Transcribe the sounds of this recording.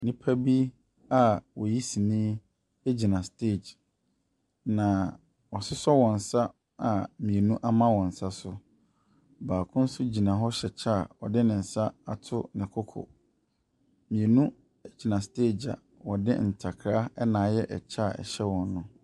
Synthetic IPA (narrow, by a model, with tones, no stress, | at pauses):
nĩ˦pʰa˦bi˦ | a˦wɔ˨ji˦si˨nĩː˦ | e˦d͡ʑi˨nã˨ste˦˨d͡ʑ | nã˨ | wɔ˨sɪ˦sɔ˦wɔ̃˨n̩˨sa˦ | a˨mĩ˨e˨nũ˦ʔa˦mã˦wɔ̃˨n̩˨sa˦sʊ˦ | baː˨kʰʊ̃˦n̩˦sʊ˦d͡ʑi˨nã˨ɦɔ˦ɕɛ˨t͡ɕʰa˦˨wɔ̰˨dɪ˦nɪ̃˨n̩˨sa˦a˨tʰʊ˦nɪ̃˨kʰɔ˦kʰɔ̰˨ | mĩ˨e˨nũ˦ | e˦d͡ʑi˨nã˨ste˦˨d͡ʑa̰˨ | wɔ˨dɪ̰˦n̩˨tʰa˨kʰɾa˦ɛ˦nãː˨˦jɛ˦ʔɛ˨t͡ɕʰa˦˨ɛ̰˨ɕɛ˦wɔ̃˨nːʊ̃˦